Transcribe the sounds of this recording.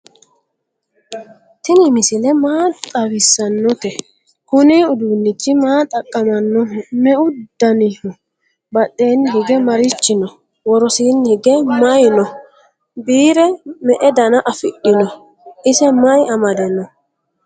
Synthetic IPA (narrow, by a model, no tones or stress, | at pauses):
t̪ɪnɪmɪsɪlɛmaːt̪ʼɐwɪsːɐnːɔt̪ɛ | kʊniʊd̪uːnːɪt͡ʃːɪmaːt̪ʼɐkʼːɐmɐnːɔmɛʔʊd̪̥ɐnɪhʊ | bɐɗːe̞ːnːɦɪɡɛmɐɾɪt͡ʃːɪnɔ | wɔɾɔsiːnːhɪɡɛmɐjnɔ | biːɾɛmɛʔɛd̪ɐnɐʔɐfɪɗːɪnɔ | ʔɪsɛmɐjɐmɐd̪ɛnɔ